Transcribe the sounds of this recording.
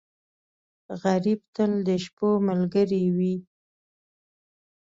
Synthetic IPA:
ɣaɾib̚t̪əld̪əʃpoməlɡəɾiwi

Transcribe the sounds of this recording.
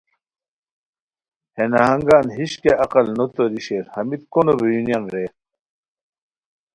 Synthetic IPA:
henɐɦɐŋɡaːnɦiɕkeʔɐqɐlnot̪oɾiɕeːɾhɐmit̪konobejunijanɾe

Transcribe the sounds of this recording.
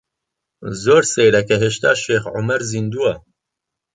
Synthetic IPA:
zoːɾsejɾɐkɛɦeʃt̪a̰ːʃeːxʕʊ̰mɛɾzind̪uwɐ

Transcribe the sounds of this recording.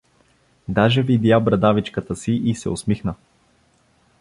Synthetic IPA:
d̪aʒɛvid̪jabɾɐd̪avit͡ʃkət̪əsiʔisɛ̰osmixnə

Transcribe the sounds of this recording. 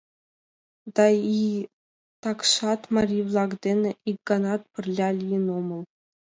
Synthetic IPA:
d̪ɑi | t̪ɑkʂɑt̪mɑrʲivlˠɑɡd̪ʲenʲɘʔik̚ɡɑnɑt̪̚pɘ̆rʲlʲɑlʲijinomɤ̆lˠ

